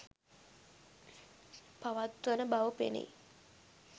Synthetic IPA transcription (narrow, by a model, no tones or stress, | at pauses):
paʋat̪ʋənəbaʋəpḛnḛj